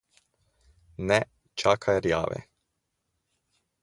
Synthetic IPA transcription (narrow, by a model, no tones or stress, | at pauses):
nɛ | t͡ʃakʰajɾja̰ːʋɛ̰